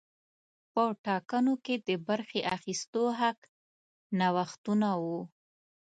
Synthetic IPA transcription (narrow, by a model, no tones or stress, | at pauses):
pəʈɑkənoked̪əbaɾxeʔaxist̪oɦak | nawaxt̪unawu